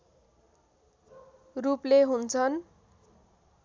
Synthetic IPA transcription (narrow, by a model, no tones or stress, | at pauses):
rupleɦunt͡sʰʌn